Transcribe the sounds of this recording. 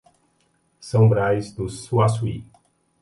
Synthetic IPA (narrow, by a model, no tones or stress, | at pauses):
sɐ̃w̃bɾajzd̪ʊsuasui